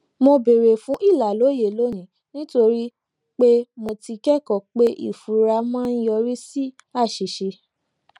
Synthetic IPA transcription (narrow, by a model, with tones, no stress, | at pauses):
mo˧be˨ɾe˨fũ˨˦ʔi˦˨la˨lo˨˦je˨lo˦nĩ˨˦ | nĩ˦to˧ɾi˦ | k͡pe˦mo˧ti˧kɛ˦˨kɔ˨k͡pe˦ʔḭ˦˨fu˨ɾa˧mã˦n̩˦jɔ˧ɾi˦si˦ | a˦˨ʃi˨ʃe˧